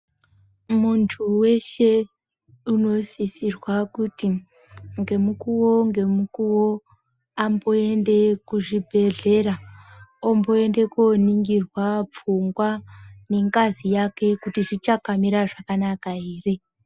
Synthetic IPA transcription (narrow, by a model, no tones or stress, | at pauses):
muntʰuwe̞ʃe̞ | uno̞sisirwakuti | ŋɡe̞mukuwo̞ŋɡe̞mukuwo̞ | ambo̞e̞nde̞kuʐibʱe̞ɮe̞ɾaombo̞ende̞koniŋɡirwap͡fuŋɡwane̞ŋɡazijake̞kutiʐit͡ʃakamiɾaʐakanakaeːre